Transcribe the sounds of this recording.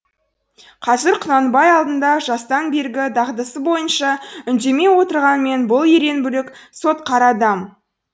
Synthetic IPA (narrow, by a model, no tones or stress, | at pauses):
qʰɑzɪɾqʰʊnɑnbɑjɑlˠd̪ənd̪ɑʒɑst̪ɑnbe̞ɾɡʲɪd̪ɑʁd̪əsəbo̞jənʃɑʏnd̪e̞me̞wo̞t̪əɾʁɑnme̞nbʊlˠje̞ɾe̞nbʏlɪkso̞t̪̚qʰɑɾɑd̪ɑm